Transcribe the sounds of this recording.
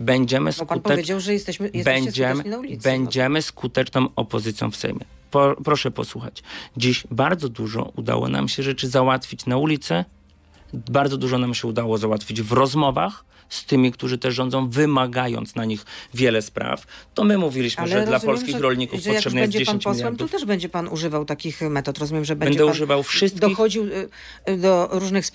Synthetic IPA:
bɛɲd͡ʑɛmɘskut̪ɛvɛjɛst̪ɛbɛɲd͡ʑɛbɛɲd͡ʑɛmɘskut̪ɛt͡ʂnɔw̃ɔpɔzɘt̪sʲjɔ̰̃w̃fsɛ̰jmʲjɛ̰ | pɔpɾɔʂɛpɔ̰swuxa̰t͡ɕd͡ʑiɕbaɾd̪zɔd̪uʐɔ̰ʔud̪a̰wɔ̰na̰mɕɛʐɛt͡ʂɘzawat̪fʲit͡ɕnaulʲit̪sɛ | baɾd̪zɔd̪uʐɔnamɕɛud̪awɔzawat̪fʲid͡ʑvɾɔzmɔvax | st̪ɘmʲikt̪uʐɘt̪ɛʂːɔndzɔ̃w̃vɘmaɡajɔ̰nt̪snaɲixvʲjɛlɛspɾa̰ft̪ɔmɘmuvʲilʲiɕmɛɾdlapɔlskʲixɾɔlɲikufɔaʂɛbnɛɛd͡ʑɛd͡ʑeɕẽnɲt͡ɕɔilwɛɾmt̪ɔft̪ɛʐbɛɲd͡ʑɛpanuʐɘvawt̪akʲixmɛt̪ɔt̪ɾɔzumʲɛmʐɛbɛɛnɛd̪ɛuʐɘvawfʂɘst̪d̪ɔixɔd͡ʑiw | d̪ɔɾuʐnɨxs

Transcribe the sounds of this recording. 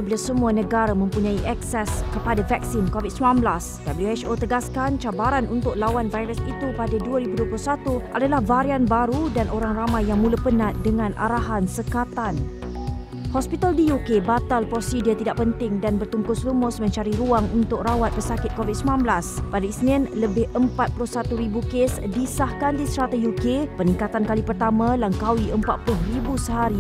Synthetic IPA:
bilasəmũanə̃ɡaɾamə̃mpuɲãiʔɛksɛskəpadavɛk̚sinkovid̪̚səmlãnblasd̥abəljuɛt͡ʃot̪əɡaskant͡ʃabaɾanʔunt̪ʊk̚lawanvajɾəsit̪upadaduəɾibuduəplʊsat̪uʔadalahvaɾianbaɾudanʔoɾaŋramãjːaŋmũləpənãt̪̚dəŋãnʔa̰ɾaɦansəkat̪an | hɔspit̪aldijukebat̪alpɾɔsidiat̪idaʔpənt̪ɪŋdanbərt̪uŋkʊslumʊsmə̃ɲt͡ʃaɾiɾuaŋunt̪ʊk̚rawat̪̚pəsakɪt̪̚kovid̚simnãnblaspadaisnɪ̃nləbɪhəmpat̪̚pulʊhsat̪uɾibukesdisahkandisɾat̪ajukepənĩŋkat̪ankalipərt̪amãlaŋkawiʔəmpat̪̚plʊɦribusəɦaɾi

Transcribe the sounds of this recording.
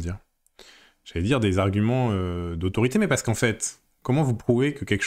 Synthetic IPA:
d̪iːʁ | ʒ̥alɛd̪iʁd̪ezaʁɡʲymɑ̃ød̪ot̪ɔʁit̪emɛpaʁsə̥kɑ̃fɛt̪ | kɔmɑ̃vupχuvekəkʲɛlkə̥ʃ

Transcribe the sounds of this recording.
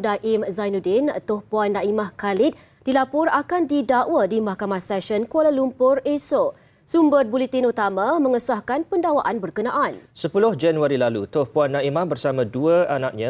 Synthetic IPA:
daʔɪmzajnudɪnt̪ʊhpuanːaʔimahkalɪt̪̚ | d̥ilapʊrakandidaʔwədimahkamahsɛʃənkolalumpʊreso | sumbət̪̚bulit̪inut̪amãmə̃ŋəsahkanpəndawaʔanbərkənãʔansəpulʊhd͡ʒanuaɾilalut̪ʊhpuanːaimahbərsamãduəanak̚ɲã

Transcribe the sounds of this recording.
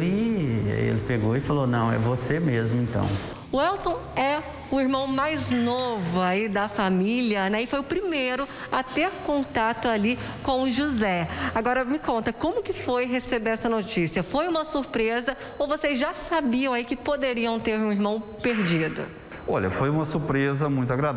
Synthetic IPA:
i | ḛlɪpeɡoɪfalonɐ̰̃w̃ɛ̰vosemezmʊẽnt̪ɐ̰̃w̃ | ʊɛwsõw̃ɛ | ʊiɾmɐ̃w̃majznovʊaid̪ɐfamiliɐnɛɪfojʊpɾimejɾʊ | at̪eɾkõnt̪at̪ʊalikõw̃ʊʒuzɛaɡɔɾɐmɪkõnt̪ɐkõmʊkɪfojɦesebeɾɛsɐnot͡ʃisiɐfojũmɐsuɾpɾezɐ | owvosezʒasabiɐ̃w̃aikɪpod̪eɾiɐ̃w̃t̪eɾũiɾmɐ̃w̃peɾd͡ʒid̪ʊ̰ | ɔ̰ʎɐ̰fojũmɐsuɾpɾezɐmũj̃t̪ʊaɡɾa

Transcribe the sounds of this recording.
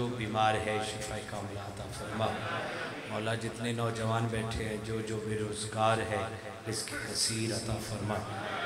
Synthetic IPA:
oːbiːmaːɾɦɛʃɪfʰaːikaːmlaɐt̪aːfɐɾmaː | mɔːlad͡ʒɪt̪nenɔːd͡ʒɐʋaːnbɛːʈʰeɦɛ̃d͡ʒoːd͡ʒoːbeɾoːzɡaːɾɦɛ | ɪskikɐsiːɾɐt̪aːfɐɾmaː

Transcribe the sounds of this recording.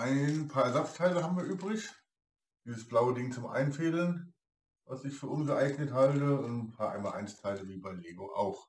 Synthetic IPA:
ʔaɪnpʰaːɐɛɐzat͡stʰaɪləɦaːbmviːɐʔyːbʁɪç | d̥iːzəsb̥laʊədɪŋt͡sʊmʔa̰ɪnfeːlən | vasɪçfyːɐʊnsɡəʔaɪɡnəthaltəʊntn̩pʰaːɐʔa̰ɪnma̰lʔa̰ɪnt͡stʰaɪləviːbaɪleːɡoʔa̰ʊx

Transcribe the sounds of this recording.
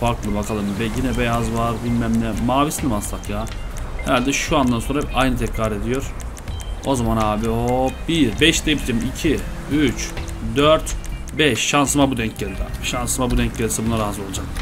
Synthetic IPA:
faɾklˠɯvakʰalˠɯmbɛɟinɛbejazvaɾbilʲmæmlʲɛmaːvisinimasakjaː | heɾalʲd̪ɛʃuand̪anso̞nɾaɛpajnɯt̪ʰɛcɾaɾe̞d̪ijo̞ɾ̥ | o̞zamanhaːbiobiɾbɛʃd̪eibid͡ʒmicʰi | yt͡ʃ | d̪øɾt̪ | bɛʃːansɯmabud̪ɛɲc̚ɟelʲid̪ɛʃansɯmabud̪ɛɲc̚ɟelʲisɛbunːˠaɾaɦazo̞lˠad͡ʒak

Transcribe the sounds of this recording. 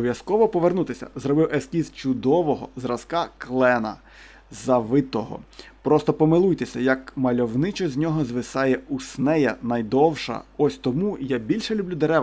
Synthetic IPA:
ɔʋʲjɐskɔʋɔpɔʋernut̪ɪsʲɐ̰zrɔbɪwɛskʲizt͡ʃʊd̪ɔʋɔɦɔzrɐskɑklˠɛnɐ̰ | zɐʋɪt̪ɔɦɔ̰pɾɔst̪ɔpɔmɪlˠujt̪esʲɐjɐkmɐlʲɔwnɪt͡ʃɔzʲnʲɔɦɔzʋɪsɑjɛusnɛjɐ̰nɐjd̪ɔwʃɐ̰ɔsʲt̪ɔmujabʲilʲʃɛlʲublʲud̪eɾɛ

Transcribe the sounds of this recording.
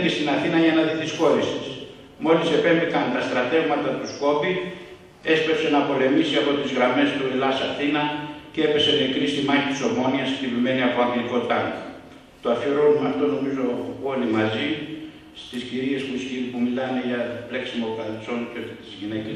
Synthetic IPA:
ist̪inaθinɐʝɐnɐðiθisko̞ɾisi̥s | mo̞lise̞pe̞mbikɐnt̪ɐst̪ɾɐt̪e̞ɣmɐt̪ɐt̪usko̞pi | e̞spe̞pse̞nɐpo̞le̞misiɐpo̞t̪izɣɾɐme̞st̪uɾelɐsɐθinɐcee̞pe̞se̞mekɾist̪imɐçit̪i̥so̞mo̞niɐst̪ivime̞niɐpo̞ɐŋɡliko̞t̪ɐŋ | t̪oɐfiɾo̞numɐft̪o̞no̞mizo̞o̞limɐzi | st̪isciɾie̞spuscipumilɐne̞ʝɐple̞ksimokɐθso̞nt̪et̪izʝinece

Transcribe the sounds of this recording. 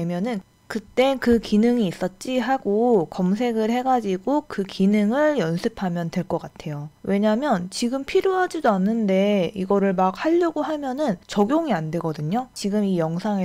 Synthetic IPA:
mjʌnɯn | kɯt͈e̞kɯkinɯŋiːs͈ʌt̚t͡ɕ͈iɦaɡokʌmsʰe̞ɡɯɭhe̞ɡad͡ʑiɡokɯkinɯŋɯɭjʌnsʰɯpʰamjʌndwe̞ɭk͈ʌk͈atʰe̞jowʔe̞ɲamjʌnt͡ɕiɡɯmpʰiɾjoɦad͡ʑidoanːɯnde̞iɡʌɾɯɭmak̚haʎːʌɡoɦamjʌnɯnt͡ɕʌɡjoŋiandwe̞ɡʌdɯɲot͡ɕiɡɯmijʌŋsʰaŋe

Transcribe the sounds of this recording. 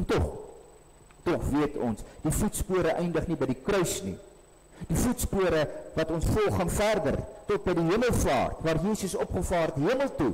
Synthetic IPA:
ɛntɔχ | tɔχviətɔ̰nsd̥ifutspuəɾəʔɛjndəχnibɛjdikrœɥsnḭ | d̥ifutspuəɾəvɐtɔnsfɔlˠχːɑːnfærdə̰rtɔt̚bɛjdiɦiəməlˠfɑ̰ːrtvɑːrjiːsəsɔpχəfɑːrtiɦiəməlˠtu

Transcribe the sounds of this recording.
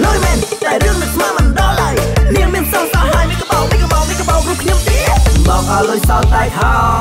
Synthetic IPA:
loːəjmɛːnɗaɛlɾɨəŋmɨt̪ʰmaːmɑnɗɑlaəjniəŋmiənsoŋsɑhaəjmiəkəɓoːŋmikəɓoɓikəɓoːŋruəpkʰɲomt̪iəɓɑːŋʔaɔlojsɑsaɛhɑː

